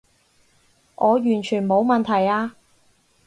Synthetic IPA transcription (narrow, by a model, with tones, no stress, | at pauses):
ʔɔː˨˧jyː˨˩nt͡ʃʰyː˨˩nmo˨˧wmɐ˨nt̪ʰɐ˨˩jaː˧